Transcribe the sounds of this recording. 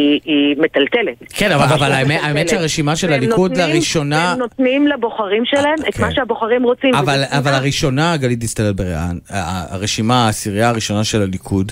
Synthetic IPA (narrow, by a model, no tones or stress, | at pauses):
iimet̪altelet̪kenavaavalaemeaemet͡ʃʃeaʁeʃimaʃelalikud̪laʁiʃo̞nanot̪nimlaboχaʁimʃelaemet̪maʃeaboχaʁimʁot͡simavalavalaʁiʃo̞naːɡalitist̪aletbeʁeʔa̰naa̰ʁeʃimaːsiʁiaːʁiʃo̞naʃe̞lalikʰud